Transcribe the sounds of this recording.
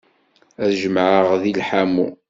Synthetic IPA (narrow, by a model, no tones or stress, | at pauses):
æðʒəmʕəʁðilħamṵ